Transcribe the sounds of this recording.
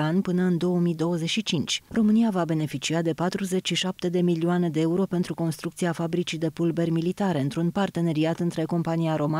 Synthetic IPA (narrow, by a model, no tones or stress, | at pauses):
anʲpɨnəɨnd̪o̞wəmid̪o̞wəze̞t͡ʃʲʃit͡ʃint͡ʃʲro̞mɨniavabe̞ne̞fit͡ʃiad̪e̞pat̪ɾuze̞t͡ʃʃiʃap̚t̪e̞d̪e̞milioane̞d̪e̞euɾo̞pe̞nt̪ɾuko̞nst̪ɾuk̚t̪sieafabɾit͡ʃid̪e̞pulbe̞rʲmilit̪aɾeɨnt̪ɾunpart̪e̞ne̞ɾiat̪ɨnt̪ɾe̞ko̞mpaniaɾo̞ma